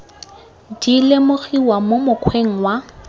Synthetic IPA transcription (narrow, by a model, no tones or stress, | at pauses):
dilɪmʊɣiwamomʊkʰweŋ̩wa